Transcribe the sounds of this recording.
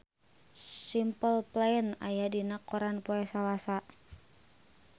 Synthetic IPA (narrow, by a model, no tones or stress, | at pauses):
simpəlplaəna̰jadinakɔɾanpoɛsalasa